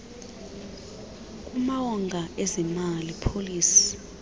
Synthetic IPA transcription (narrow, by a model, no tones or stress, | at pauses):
k̬ʼumawɔŋɡʱaʔɛzɛmalipʰoliːsi̥